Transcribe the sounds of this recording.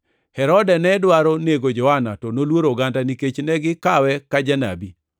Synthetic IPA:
hɛɾɔdɛnɛdwaɾɔneɡod͡ʒɔanatɔnolwoɾoɡandaniket͡ʃnɛɡɪkawɛkad͡ʒana̰bi

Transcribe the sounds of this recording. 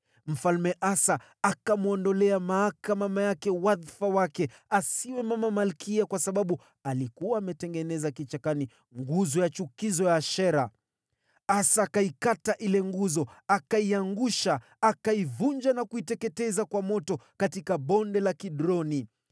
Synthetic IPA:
m̩falmɛʔasa | akamuɔndɔlɛamaakamamajakɛwaðfawakɛasiwɛmamamalkiakwasaɓaɓu | alikuwaːmɛtɛŋɡɛnɛzakit͡ʃakani | ŋɡuzɔjat͡ʃukizɔjaʃɛɾa | asaːkaikataʔilɛŋɡuzɔakaiaŋɡuʃaː | kaivuɲd͡ʒanakuitɛkɛtɛzakwamɔtɔkatikaɓɔndɛlakiɗɾɔni

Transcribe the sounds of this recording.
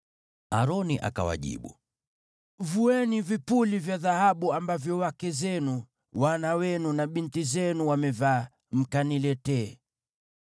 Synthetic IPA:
aɾɔniʔa̰ka̰wa̰ʄḭɓṵ | vuɛnivipulivjaðahaɓuambavjɔwakɛzɛnu | wanawɛnunaɓintizɛnuwamɛva | m̩kanilɛtɛː

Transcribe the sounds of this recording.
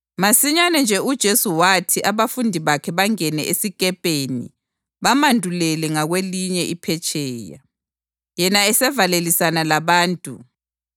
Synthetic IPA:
masiɲanɛnd͡ʒʱɛud̥ʒ̥ʱesuwatʰiʔaβafundʱiβakʰɛβaŋɛnɛ̰ʔesikʼɛpʼenḭ | βamandʱulɛlɛŋaɣweliɲɛʔipʰɛt͡ʃʼɛːja̰ | jɛnaɛsɛvalelisanalaβaːntʼṵ

